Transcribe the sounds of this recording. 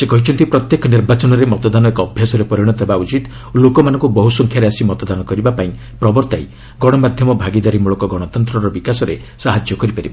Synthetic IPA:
sekɔɦit͡ʃʰɔnt̪ipɾɔt̪jekɔniɾbat͡ʃɔnɔɾemɔt̪ɔd̪anɔekɔːbʱjasɔɾepɔɾiɽ̃ɔt̪ʰebaut͡ʃit̪ | lokɔmanɔ̃ŋkubɔɦusɔŋkʰjaɾeasimɔt̪ɔd̪anɔkɔɾibapaĩ | pɾɔbɔɾt̪ai | ɡɔɽ̃ɔmad̪ʱjɔmɔbʱaɡid̪aɾimuɭɔkɔɡɔɽ̃ɔt̪ɔnt̪ɾɔɾɔbikasɔɾe | saɦad͡ʒjɔkɔɾipaɾiba

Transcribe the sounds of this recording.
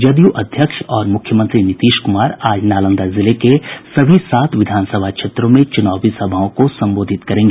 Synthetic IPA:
d͡ʒɐd̪juʔɐd̪ʱjəkʃɔːɾmʊkʰjəmə̃nt̪ɾinɪt̪iːʃkʊmaːɾaːd͡ʒnaːlə̃nd̪əɾzɪlekesɐbʱisaːt̪ʰʋɪd̪ʱaːnsəbʱakʃeːt̪ɾõmẽt͡ʃʊnaːbisɐbʱaːõkosɐ̃mboːd̪ʱɪt̪kɐɾẽːŋɡe

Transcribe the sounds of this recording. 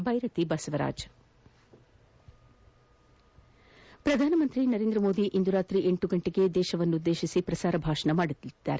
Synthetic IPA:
bʱɐjɾɐt̪ibɐsɐʋɐɾa̰ːd͡ʒ | pɾɐd̪ʱaːnɐmɐnt̪ɾinɐɾeːnd̪ɾɐmo̞ːd̪iʔind̪uɾaːt̪ɾiʔeɳʈuɡɐɳʈiɡe̞d̪ɛːʃɐʋɐnːuud̪ːe̞ːʃisipɾɐsaːɾɐbʱaːʃɐnɐmaːɽut̪ːid̪̥ːa̰ːɾe

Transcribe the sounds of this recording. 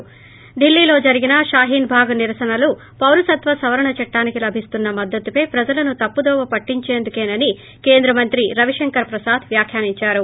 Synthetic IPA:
ɖ̪ilːiːlo̞ːd͡ʒɐɾiɡinɐʃaːɦiːnbʱaːɡɐniɾɐsɐnɐlu | pɐwlusɐt̪ʋɐsɐʋɐɾɐɳɐt͡ʃɛʈːaːnikilɐbʱist̪unːɐmɐd̪ːɐt̪upɐjpɾɐd͡ʒɐlɐnut̪ɐpːud̪ɔːʋɐpɐʈːiɲt͡ʃeːnd̪ukeːnɐni | ke̞ːnd̪ɾɐmɐnt̪ɾiɾɐʋiʂɐŋkɐɾpɾɐsaːd̪ʋjaːkʰjaːniɲt͡ʃaːɾu

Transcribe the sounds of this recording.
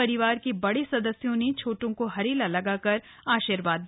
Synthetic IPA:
ɐɾɪʋaːɾkebɐɽesɐd̪əsjõnet͡ʃʰoːʈõkoɦɐɾeːlalɐɡakɐɾ | aːʃiːɾʋaːd̪̚

